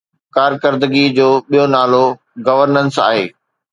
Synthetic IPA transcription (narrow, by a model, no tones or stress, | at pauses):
kaːɾkəɾd̪ɡid͡ʑoːɓijonaːlo | ɡɐʋəɾnənsa̰ːɦḛː